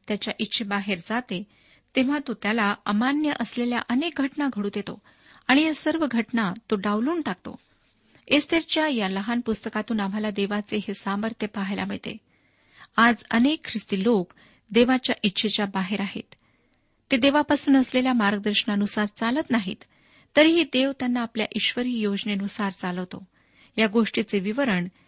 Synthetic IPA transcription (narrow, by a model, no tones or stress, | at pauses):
t̪jat͡ɕjaʔitːɕʰebaɦeɾd͡zat̪e | t̪eʋ̤at̪ot̪jalaəmanjəʔəslelja̰ʔənek̚ɡʱəʈnaɡʱəɽuːt̪jet̪o̰ | aɽ̃ijasəɾʋəɡʱəʈnat̪oɖaʋluːnʈak̚t̪o̰ | est̪eɾt͡ɕjajaləɦanpust̪əkat̪uːnam̤alad̪eʋat͡seɦesaməɾt̪ʰjəpaɦajla̰m̤əɭt̪ḛ | ad͡zə̰nekʰːɾist̪iːlok | d̪eʋat͡ɕjaʔitːɕʰet͡ɕjabaɦeɾaɦḛt̪ː | ed̪eʋapasuːnəsleljamaɾɡəd̪əɾɕəɳaənusaɾt͡salət̪naɦḭt̪ː | əɾɦiːd̪eʋt̪janːaːplja̰ʔiɕʋəɾiːjod͡zneənusaɾt͡saləʋt̪o | jaɡoʂʈit͡seʋiʋəɾəɳ